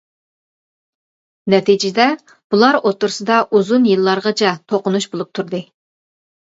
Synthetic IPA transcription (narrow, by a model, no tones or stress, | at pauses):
nɛt̪ʰid͡ʒɪd̪ɛ | b̥ulˠɑɾot̪ːʊɾsɨd̪ɑʔuzunjɨlˠːɑɾʁɑt͡ʃʰɛt̪ʰoqʊnuʃbolˠup̚t̪ʰuɾd̪ɨ